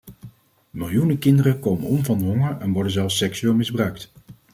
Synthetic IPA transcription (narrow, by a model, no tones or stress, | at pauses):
mɪlˠjunəkɪndərəkowmənɔmvɑndəɦɔŋəɹɛnʋɔɹdənzɛlˠfsɛksyɪːlˠmɪzbrœɥkt